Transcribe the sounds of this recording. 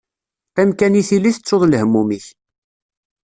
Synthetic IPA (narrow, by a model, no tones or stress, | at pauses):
æmkæniθiliθət͡sːoðˤlhəmːumiç